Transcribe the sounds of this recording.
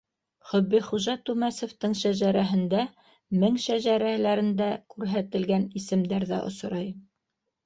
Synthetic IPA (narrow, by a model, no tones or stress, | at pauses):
χɵ̆bːiχuʒɑt̪ʉmæsŏft̪ɤɴʃæʒæɾæɦɘ̆nd̪æ | mɘŋʃæʒæɾælæɾɘ̆nd̪ækʉɾɦæt̪ɘ̆lɡænisɘ̆md̪æɾðæ̰ʔŏ̰s̆ɾɑj